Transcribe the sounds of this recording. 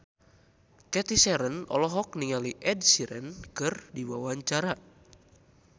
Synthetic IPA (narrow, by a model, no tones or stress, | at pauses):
kɛt̪isɛɾənɔ̰lɔɦɔk̚niŋaliʔɛdsiɾənkɨrdiwawaɲt͡ʃaɾa